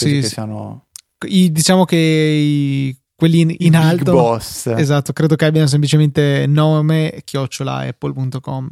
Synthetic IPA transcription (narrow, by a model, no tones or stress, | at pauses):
sisiano̰ | id̪it͡ʃaːmok̟e | kwelːiinalt̪obɔsezat̪ːokɾeːd̪okeabːjanos̬emp̬lit͡ʃement̪enɔːmek̟jɔt͡ʃːola̰ɛ̰pːolpunt̪okɔm